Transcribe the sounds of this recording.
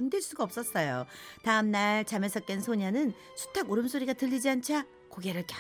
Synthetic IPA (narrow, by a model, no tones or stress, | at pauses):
ʌndɯɭs͈uɡaʌp̚s͈ʌs͈ʌjotaɯmnaɭt͡ɕamesʰʌk̚t͈ensʰoɲanɯn | sʰu̥tʰaɡoɾɯmsʰoɾiɡatɯʎːid͡ʑiant͡ɕʰa | koɡe̞ɾɯɭkja